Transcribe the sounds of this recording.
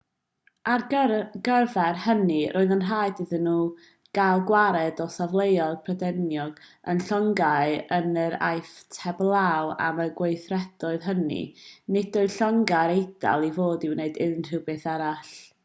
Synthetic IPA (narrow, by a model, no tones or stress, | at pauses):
arɡ̥ərvɛrhənirʔoːɨðənr̥aːjdɨðɨnːuː | ɡ̥alˠɡwaɾɛdɔsavlˠejɔlpʰrədɛnjɔɡə̰nɬɔŋɡaɨənəɾa̰jftʰɛblˠawa̰məɡwejθrɛdɔɨðɦənḭnɪdɔɨɬɔŋɡaɾejd̥a̰lˠivoːdiwneɨdɪðnr̥ɨwbɨθaɾaɬ